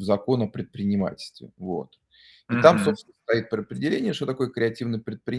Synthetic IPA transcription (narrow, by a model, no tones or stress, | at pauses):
vzɐko̞nɐpɾʲɪt̪̚pɾʲɪnʲɪma̰tʲɪlʲst̪vʲɪ̰vo̞t̪ | ɪt̪amso̞psʲnəst̪ɐit̪̚pəɾɪəpɾʲɪdʲɪlʲenʲɪjəʂt̪ot̪ɐko̞jəkɾʲɪɐtʲivnəjpɾʲɪt̪̚pɾʲɪ